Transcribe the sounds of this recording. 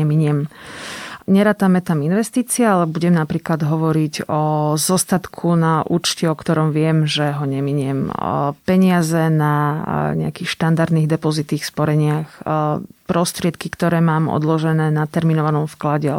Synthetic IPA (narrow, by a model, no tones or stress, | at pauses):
ɛmiɲɛm | ɲɛɾaːt̪amɛt̪aminʋɛst̪iːt͡siɛalɛbuɟɛmnapɾiːklad̪ɦɔʋɔɾiɟɔzɔst̪at̪kʰunaʔṵːt͡ʃciɔkt̪ɔɾɔmʋɪɛmʒɛɦɔɲɛmiɲɪɛmpɛɲɪazɛnaɲɛakiːxʃt̪and̪aɾd̪niːɣd̪ɛpɔzit̪iːxspɔɾɛɲɪax | pɾɔst̪ɾɪɛt̪kikt̪ɔɾɛːmaːmɔ̰d̪lɔʒɛnɛːnat̪ɛɾminɔʋanɔmfklaɟɛ